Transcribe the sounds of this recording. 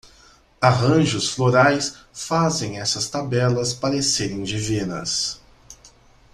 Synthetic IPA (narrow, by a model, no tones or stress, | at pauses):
aɦɐ̃ʒʊsfloɾajsfazẽj̃ɛsɐst̪abɛlɐspaɾeseɾĩd͡ʒɪvenɐ̰s